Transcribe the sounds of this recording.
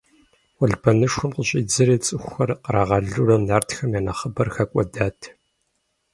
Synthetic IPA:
wɐɮbɐnɨʂʷʊmqʷʊɕʼiːd͡zɨɾeːt͡sʼɨxʷxɐrqəɾaːʁɐɮurɐmnaːrtxɐmjaːnɐχəbɐrxɐkʷʼɔdaːtʰ

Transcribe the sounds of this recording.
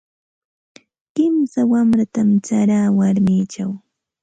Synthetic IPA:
kɪmsawamɾat̪amt͡ʃaɾaːwaɾmiːt͡ʃaw

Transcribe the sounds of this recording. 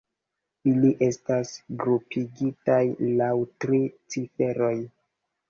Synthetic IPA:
iliʔe̞stasɡɾupʰiɡitajlawtɾit͡sife̞ɾo̞j

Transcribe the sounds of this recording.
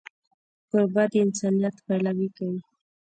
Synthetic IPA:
kʊɾbad̪əɪnsɑnijat̪palawikawi

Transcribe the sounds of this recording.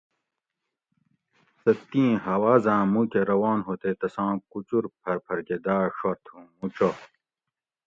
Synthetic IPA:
sɐt̪ːĩːɦɐwaːzãːmũkeɾɐwaːnɦoːt̪et̪ɐsãːkut͡ɕuɾpʰɐɾpʰɐɾɡed̪aːʂɐɾt̪ʰhũːmut͡ɕo

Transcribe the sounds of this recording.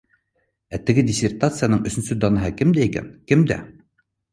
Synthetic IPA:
æt̪ɘ̆ɡɘd̪ʲɪsʲert̪at̪sɨjanɤɴɵ̆sɵ̆nsɵd̪ɒnɑɦɤkɘmd̪æikæ̰nkɘmd̪æ̰

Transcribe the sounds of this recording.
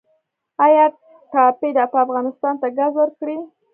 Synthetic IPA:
ɑjɑ | ʈɑped̪aːpəafɣɑnɪst̪ɑnt̪aɡazwəɾkɽi

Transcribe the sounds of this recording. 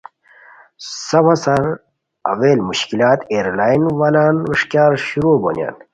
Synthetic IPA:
sɐwasɐɾ | ɐ̰ʋeːlmuɕkilaːt̪eːɾlaːjnwalaːnɾiʂkjaːɾɕuɾoːbo̰nja̰ːn

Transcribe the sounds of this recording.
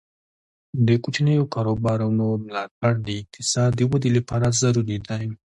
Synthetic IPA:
d̪əkut͡ʃnəjokaɾobɑɾanomlɑt̪̚aɽd̪əɪk̚t̪ʰɪsɑd̪əwad̪ilapɑɾazaɾuɾid̪ajm

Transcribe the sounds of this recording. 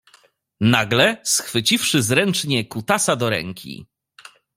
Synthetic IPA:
naɡlɛsxfɘt͡ɕifʂɘzɾɛnt͡ʂɲɛkut̪asad̪ɔɾɛ̰ŋkʲḭ

